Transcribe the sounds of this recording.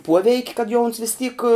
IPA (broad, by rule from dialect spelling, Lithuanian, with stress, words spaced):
ˈpuɔʋʲɛɪkʲ kɐt jɛʊ ʊns ʋʲɪs tʲiːk